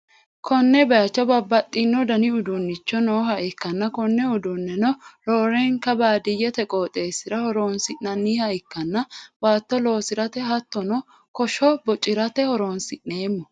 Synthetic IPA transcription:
kʰɔnːɛbɐjɐt͡ʃːɔbɐbːɐt̪ʼːɪnːɔd̪ɐnɪʊd̪ʊnːɪt͡ʃːɔnoːhɐʔɪkːɐnːɐkɔnːɛʊd̪ʊnːɛnɔloːɾeːŋkɐbaːd̪ɪjːɛt̪ɛkʼoːt̪ʼe̞ːsɪɾɐhɔɾoːnsɪʔɐnːiːhɐɪkːɐnːɐwaːt̪ːɔlo̞ːsɪɾɐt̪ɛɦɐt̪ːɔnɔ | kɔʃɔbɔt͡ʃʼɪɾɐt̪ɛhɔɾoːnsɪʔnːeːmːɔ

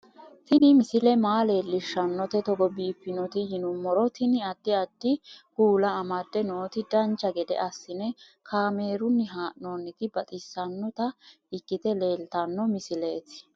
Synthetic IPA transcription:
t̪ɪnɪmɪsɪlɛmaːle̞ːlːɪʃːɐnːɔt̪ɛt̪ɔɡɔbiːfːɪnɔt̪ɪjɪnʊmːɔɾɔt̪ɪnɪɐd̪ːɪɐd̪ːɪɡuːlɐːmɐd̪ːɛno̞ːt̪ɪd̪ɐnt͡ʃːɐɡɛd̪ɛ̰ʔɐsːɪnɛ | kʰaːme̞ːɾʊnːɪɦaːʔnoːnːɪt̪ɪbɐt̪ʼɪsːɐnːɔt̪ɐ | ɪkːɪt̪ɛle̞ːlt̪ɐnːɔmɪsɪle̞ːt̪ɪ̥

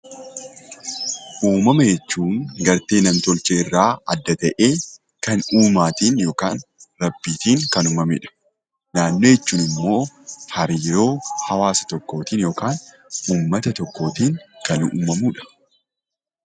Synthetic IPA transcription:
ʔuːmɐmɐjɛt͡ʃːuːŋɡɐɾt̪e̞ːnɐmt̪ɔlt͡ʃeːɪrːaːɐ̰d̪ːɐt̪ɐʔeː | kɐnuːmaːt̪iːnjo̞ːkaːnɾɐbːiːt̪iːŋkɐnʊmɐmḛᶑɐ̥ | naːnːo̞ːjɛt͡ʃːuːnɪmːo̞ːhɐɾiːɾo̞ːhɐwaːsɐ̥t̪ɔkːo̞ːt̪iːnjo̞ːkaːn | uːmːɐt̪ɐt̪ɔkːo̞ːt̪iːŋkɐnṵːmɐmuːᶑɐ̥

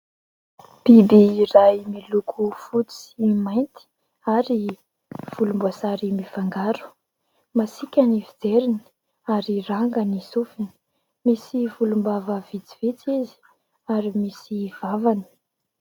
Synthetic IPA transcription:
b̥ebeiɾajmilukʰufut͡si̥imajnt̪i̥ | aɾi | v̥ulumbasaɾimifaŋɡaɾu̥ | masikʲanivid͡zeɾini̥ | aɾiraŋɡanisufini̥ | misivulumbavəvit͡sivet͡sizi̥ | aɾimisiv̥avani̥

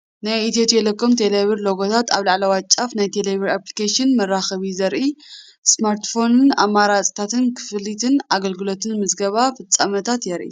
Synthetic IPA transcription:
najit̪et̪jelekʰːomt̪ʰeleβiɾloɡot̪ʰat̪aβlaʕlɐwat͡ʃʼːafnajt̪ʰeleβiɾaplikaʃɨnmɐrːaxɐβizɐɾʔi | smaɾt̪fo̞nɨna̰mːaɾat͡sʼi̥t̪ʰat̪ɨnkʰɨ̥fɨlit̪ʰɨnaɡɐlɡɨlo̞t̪ʰɨnmɨzɡɐβafɨt͡sʼːamɐt̪ʰat̪jɛɾʔḭ

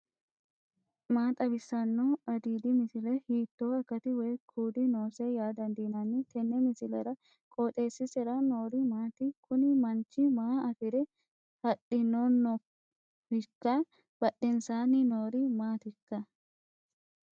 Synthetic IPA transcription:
maːt̪ʼɐbɪsːɐnːoɐd̪iːd̪ɪmɪsɪlɛhiːt̪ːoːɐkːɐt̪ɪwɛjkʰuːd̪ɪno̞ːsɛjaːd̪ɐnd̪iːnɐnːɪt̪ɛnːɛmɪsɪlɛɾɐ | kʼoːt̪ʼe̞ːsːɪsɛɾɐno̞ːɾɪmaːt̪ɪkʰʊnɪmɐnt͡ʃːɪmaːɐfɪɾɛ | hɐɗɪnːonːɔ | hɪkːɐ | b̥ɐɗɛnsaːnɪnoːɾɪmaːt̪ɪkːɐ

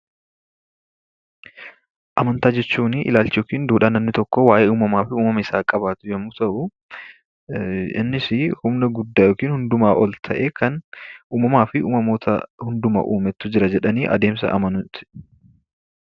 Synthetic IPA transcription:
ʔɐmɐnt̪aːd͡ʒɛt͡ʃːuːnɪʔɪ̰laːlt͡ʃɪjoːkiːnd̪uːᶑaːnːɐmnɪt̪ɔkːɔwaːʔeːuːmɐmaːfɪuːmɐmɐɪsaːkʼɐbaːt̪ʊjɛmːuːt̪ɐʔʊ | ɪ̰nːɪsɪhʊmnɐɡʊd̪ːaːjoːkiːnhʊnd̪ʊmaːʔɔlt̪ʰɐʔeːkʰɐnʔuːmɐmaːfɪʔuːmɐmoːt̪ʰɐ̰hʊnd̪ʊmɐ̰ʔuːmɛt̪ːʊd͡ʒɪɾɐd͡ʒɛᶑɐniːʔɐ̰d̪e̞ːmsɐ̰ʔɐ̰mɐnʊt̪ɪ̥

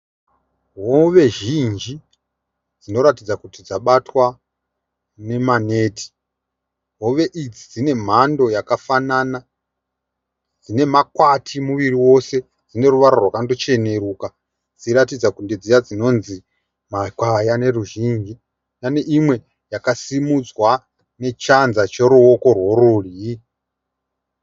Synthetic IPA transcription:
ɦoʋe̞ʒind͡ʒi | d͡zinoɾatid͡zakutid͡zaɓatwa | ne̞mane̞ːtʰi̥ | ɦo̞ʋe̞ʔid͡zid͡zine̞m̤andojakafanaːna | d͡zine̞makwatʰimuʋiriwo̞se | d͡zine̞ruʋaɾorwakandot͡ʃe̞ne̞ɾuːka | d͡ziɾatid͡zakunded͡zijad͡zino̞nzi | makwajane̞ruʒind͡ʒi | jane̞ʔimwe̞ | jakasimud͡zwa | ne̞t͡ʃanzat͡ʃeɾuo̞ko̞rwo̞ɾulii

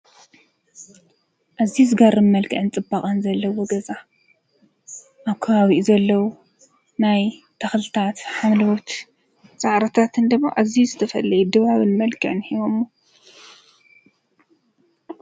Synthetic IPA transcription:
ʔazizɨɡaɾɨnmɐlkʰɨʕɨnt͡sʼɨbːaχʼɐnzɐlːɐwoɡɐza | ʔaβkʰɐβaβiʔzɐlːɐwu | naj | t̪ʰaxlɨt̪ʰat̪ħamlɨwot̪ | sʼaʕɾɐt̪ʰat̪ʰɨnd̪ɨmːa̰ʔazizɨt̪ʰɐfɐlːɐjud̪ɨβaβɨnmɐlkʰɨʕɨnhiβomu

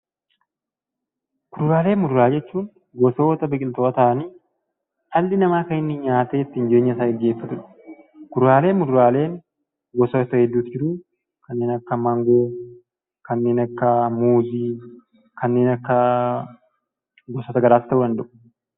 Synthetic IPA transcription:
kʊɾʊɾaːle̞ːmmʊd̪ʊɾaːd͡ʒɛt͡ʃːuːn | ɡɔso̞ːt̪ɐbɛkʼɪlt̪oːɐt̪ɐʔɐniː | ɐlːɪnɐmaːkɐɪnːɪɲaːt̪eːɛt̪ːɪɪnd͡ʒe̞ːɲːɐɪsaːɡɛɡːeːfːɐt̪ʊᶑɐ̥ | kɡʊɾɾaːle̞ːmːʊd̪ʊɾaːle̞ːn | ɡɔsoːt̪ɐhɛd̪ːuːt̪ɪd͡ʒɪɾuː | kɐnːeːnɐkːɐmɐŋɡoː | kɐnːe̞ːnɐkːɐmuːziː | kɐnːe̞ːnɐkːɐ | ɡɔsot̪ɐɡɐɾaːst̪ɐʔuːd̪ɐnd̪ɐʔʊ̥

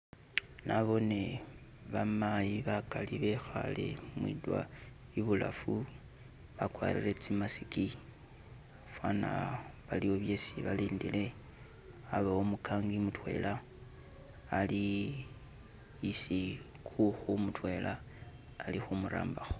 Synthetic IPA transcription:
naβo̞ne̞ | βamajiβakaliβe̞xalḛmwḭdwa̰ | iβula̰fu | βakwa̰ːlile̞t͡simasiki | afwana̰βalio̞βje̞siβaliːndile̞ | aβaomukʰaːŋɡimutwe̞̰la | li | si | kuxumutwe̞lʔaː | lixumuɾa̰ːmbaxo

